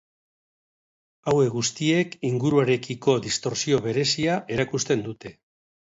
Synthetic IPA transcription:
awe̞kɣust̪ie̞kiŋɡuɾuaɾe̞kiko̞ðist̪o̞ɾsio̞βe̞ɾe̞siaʔe̞ɾakust̪e̞nd̪ut̪e̞

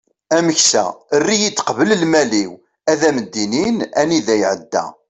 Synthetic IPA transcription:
æməçsæ̰ərːijit͡s̪ːqəvələlmæliw | æðæməd̪ːininæniðæjʕəd̪ːæ̰

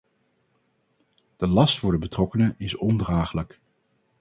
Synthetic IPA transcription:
d̥əlɑstfʊːɹdəbətrɔkənəʔɪsɔndraːχələk

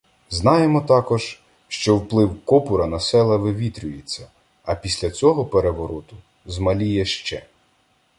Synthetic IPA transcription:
znɑjemɔt̪ɑkɔʒ̥ | ʃt͡ʃɔwplˠɪwkɔpʊɾɐnɐsɛlˠɐʋɪʋʲit̪ɾʲʊjet͡sʲːɐ | ɐpʲisʲlʲɐt͡sʲɔɦɔpeɾeʋɔɾɔt̪ʊ | zmɐlʲijɛʃt͡ʃɛ

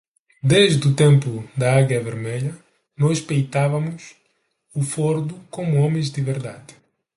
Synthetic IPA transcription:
d̪eʒd̪ut̪ẽmpud̪ɐaɣjɐveɾmeʎɐ | nɔspejt̪avɐmus | ufoɾd̪ukomuɔmẽzd̪ɪveɾd̪ad̪ɪ

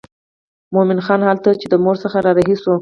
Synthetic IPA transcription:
momɪnxɑnhalt̪at͡ʃed̪əmoɾsəxaɾɑɾaɦiso

